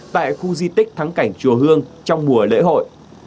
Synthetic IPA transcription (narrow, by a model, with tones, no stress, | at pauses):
t̪a̰ː˧˨jxu˧zi˧t̪ï˦˥k̟̚t̪ʰa˨˦ŋka˧˩jŋ̟t͡ɕu˨˩əɦɨ˧əŋt͡ɕɔ˧wŋ͡mmu˨˩əlḛ˧˥ho̰˧˨j